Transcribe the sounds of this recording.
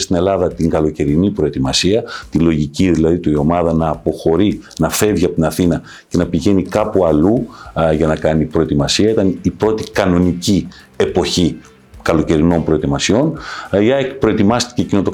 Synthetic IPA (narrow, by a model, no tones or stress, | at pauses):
st̪ine̞lɐðɐt̪iŋɡɐlo̞ce̞ɾinipɾo̞e̞t̪imɐsiɐt̪ilo̞ʝiciðilɐðit̪uio̞mɐðɐnɐːpo̞xo̞ɾinɐfe̞vʝiɐpot̪inɐθinɐ | ce̞nɐpiʝe̞nikɐpuɐluʝɐnɐkɐnipɾo̞et̪imɐsiɐit̪ɐnipɾo̞t̪ikɐno̞nici | e̞po̞çi | kɐlo̞ce̞ɾino̞mpɾo̞e̞t̪imɐsio̞niɐpɾo̞e̞t̪imɐst̪i̥ce̞cinot̪o